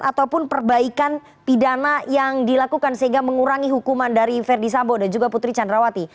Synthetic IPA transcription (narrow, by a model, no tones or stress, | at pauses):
at̪awpʊnpərbaikan | pidanajaŋdilakukansəɦiŋɡaməŋuɾaŋiɦukumandaɾifɛrdis̬ambodand͡ʒuɡaput̪ɾit͡ʃandɾawat̪i